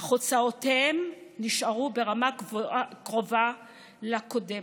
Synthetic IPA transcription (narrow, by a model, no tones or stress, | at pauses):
χot͡saotemniʃaʁubeʁamakʁo̞va | lakodem